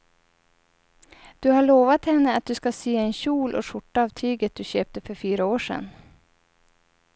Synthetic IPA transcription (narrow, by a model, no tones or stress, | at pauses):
d̪̥ɵhaɭoːvat̪hɛnːəat̪̚d̪ɵskaseːɛnɕuːlʔɔ̰ʂʊʈːaːvt̪ʰyːɡət̪̚d̪ɵɕøːp̚t̪əfœɾfyːɾaoːʂɛ̰nː